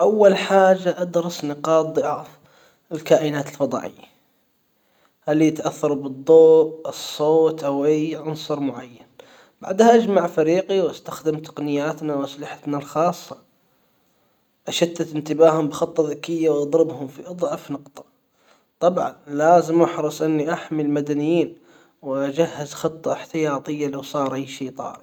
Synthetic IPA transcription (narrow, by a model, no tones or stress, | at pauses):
ʔawːalħaːd͡ʒaʔad̪ɾɑsnɪqɑːt̪̚ˤðˤɨʕaːf | ɪlkaːʔɪnaːt̪ɪlfɑd̪ˤɑ̰ːʕɪ̰jːa | halːijɪt̪ʔaθːɑɾˤbɨd̪ˤːoːʔʔɨsˤːoːt̪ʔawʔajʕʊnsˤɑɾˤmʊʕajːan | b̥a̰ʕd̪haʔad͡ʒmaʕfaɾiːqiwʔast̪axd̪ɪmt̪ɑ̥qnɪjːaːt̪nawʔaslɪħḁt̪nalxɑːsˤːɑ | ʔaʃad̪ːat̪ɪnt̪ɪbaːhʊmbɪxɑt̪ˤːɑðakːɪjːawʔɑd̪ˤɾɪbhʊmfiʔɑd̪ˤʕɑfnɑqt̪ˤɑ̥ | t̪ˤɑbʕɑ̰nlaːzɪmʔaħɾɨsˤʔɪnːiʔaħmilmad̪anɪjiːn | wʔad͡ʒahːazxɨt̪ˤːɑħt̪ɪjɑːt̪ˤɨjːalawsˤɑːɾˤʔajʃiːt̪ˤɑ̰ːɾ